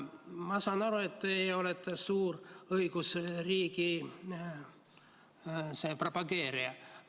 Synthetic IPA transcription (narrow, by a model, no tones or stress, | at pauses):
mɑsɑːnɑɾue̞t̪ːeo̞let̪ːˑesuːrɤjɡ̥usriːɡi | seːpropɑɡe̞ːɾiɑ